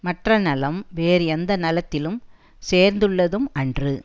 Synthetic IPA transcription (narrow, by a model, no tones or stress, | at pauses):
mɐʈrɐnɐlɐmʋeːɾɯɛnd̪ɐnɐlɐt̪ːɪlɯm | seːɾnd̪ɯɭːɐðɯmɐndrɯ